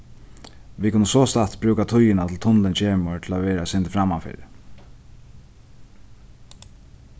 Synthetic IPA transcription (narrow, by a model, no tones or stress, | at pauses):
ʋikʰʊnːəsɔːst̪at̪bɾʉːkat̪ʰʊjɪnat̪ʰɪlt̪ʰʊnlɪnt͡ɕʰeːmʊɹt̪ʰɪlaʋɛːɾaɛsɪnt̪ɪ̥fɾamːafɪ̰ːɾ